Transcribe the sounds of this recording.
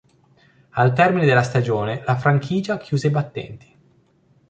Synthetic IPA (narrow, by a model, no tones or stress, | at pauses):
alt̪ɛrmined̪elːast̪ad͡ʒoːnelafɾaŋkʰiːd͡ʒak̟ʰjuːzebat̪ːɛ̰nt̪i̥